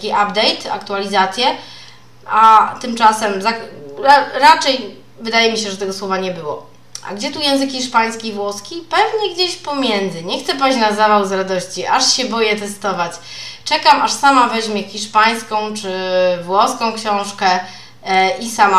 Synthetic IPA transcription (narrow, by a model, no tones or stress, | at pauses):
kʲiʔabd̪ɛjt̪a̰kt̪ualʲizat̪sʲjɛ | at̪ɘmt͡ʂasɛmzakɾaɾat͡ʂɛj | vɘd̪ajɛmʲiɕ̬ɛʐɛt̪ɛɡɔswɔvaɲɛbɘwɔ̰ | a̰ɡd͡ʑɛt̪ujɛw̃zɘkxʲiʂpaj̃skʲivwɔskʲipɛvɲɛɡd͡ʑeɕpɔmʲjɛnd̪zɘɲɛxt̪sɛpat͡ɕnazavawzɾad̪ɔɕt͡ɕiʔaʂɕɛbɔjɛt̪ɛst̪ɔvat͡ɕt͡ʂɛkamʔaʂsamavɛʑmʲjɛxʲiʂpaj̃skɔ̃w̃t͡ʂɘvwɔskɔ̃w̃kɕɔ̃w̃ʂkɛ | ʔisama